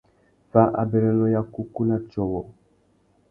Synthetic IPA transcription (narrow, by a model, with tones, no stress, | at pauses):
va˨˦ʔa̰˨bɛ˨ɾɛ˨lɔ˦ja˦ku˦ku˦na˦t͡ʃɔ˨wɔ˨